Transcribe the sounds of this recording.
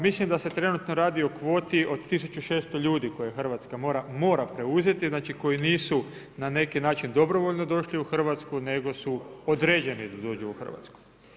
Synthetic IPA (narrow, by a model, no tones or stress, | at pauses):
mislimd̪ase̞t̪ɾe̞nut̪no̞ɾaːd̪io̞kʋo̞ːt̪iʔo̞d̪t̪isut͡ʃuʃe̞ːst̪o̞ʎuːd̪iko̞jexr̩ʋat̪skamo̞ːɾamo̞ːɾapɾe̞uze̞t̪iznaːt͡ʃiko̞jiniːsu | nane̞kinaːt͡ʃind̪o̞bɾo̞ʋo̞ʎnod̪o̞ʃliuxr̩ʋat̪skune̞ɡo̞suod̪ɾed͡ʑe̞nid̪ad̪o̞ːd͡ʑuuxr̩ʋa̰t̪sku̥